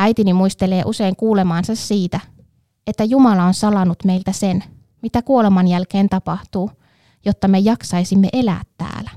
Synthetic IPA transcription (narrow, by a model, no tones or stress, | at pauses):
æit̪inimuist̪eleːʔuse̞iŋkuːlemɑːnsɑsːiːt̪æ | et̪ːæjumɑlɑonsɑlɑnut̪meilt̪æsen | mit̪ækuolemɑnjælkeːnt̪ɑpɑht̪uː | jot̪ːɑmejɑksɑisimːeʔe̞læ̰ːt̪ːæ̰ːlæ